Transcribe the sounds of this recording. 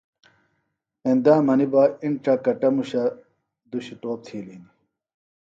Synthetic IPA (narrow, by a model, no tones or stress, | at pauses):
end̪aːmɐnibaiɳʈ͡ʂɐkɐʈɐmuɕɐ | d̪uɕit̪oːp̚t̪ʰiːlin